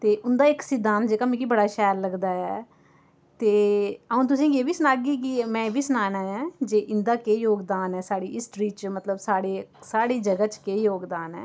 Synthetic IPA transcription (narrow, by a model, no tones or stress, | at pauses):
t̪eːʔʊnd̪aːɪksiːd̪aːnd͡ʒeːkaːmĩːkiːbəɽaːʃɛːlːəɡd̪aːɛː | t̪eːəũːt̪̬ʊsĩːkeːbiːsənaːɡiːkimɛ̃ːbʱiːsənaːnaːɛ̃ːd͡ʒeːʔɪnd̪aːkeːjoːɡd̪aːnɛːsaːɽiːʔɪsʈɾiːt͡ʃmət̪ləbsaːɽeːsaːɽiːd͡ʒəɡat͡ʃkeːjoːɡd̪aːnɛ̰ː